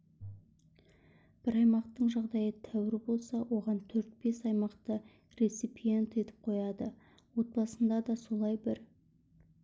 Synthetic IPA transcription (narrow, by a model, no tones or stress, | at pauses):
b̥ɪɾɑjmɑqt̪əɴʒɑʁd̪ɑjət̪ʰæwɪɾɪbo̞lˠsɑwʔo̞ʁɑnt̪ʰɵɾt̪̚be̞sɑjmɑqt̪ə | ɾe̞t̪sipije̞nt̪e̞t̪ɪ̥p̚qʰo̞jɑd̪ə | wo̞t̪̚bɑsənd̪ɑd̪ɑso̞lˠɑjbɪɾ